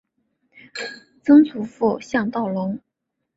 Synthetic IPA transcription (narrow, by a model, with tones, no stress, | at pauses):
t͡sɤ˥ŋt͡sʰu˧˥fu˥˩ɕjɑ˥˧ŋt̪ɑ˥˩ʊlʊ˧˥ŋ